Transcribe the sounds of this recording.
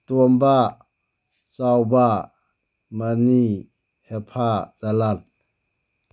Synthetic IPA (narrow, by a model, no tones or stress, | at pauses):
t̪uəmba | sawba | mani | hɛpʰazalat̚